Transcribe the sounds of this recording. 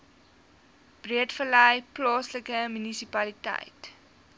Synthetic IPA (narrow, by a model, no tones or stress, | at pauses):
b̥riətfələjplɑːsləkəmynisipɐlitɛ̰jt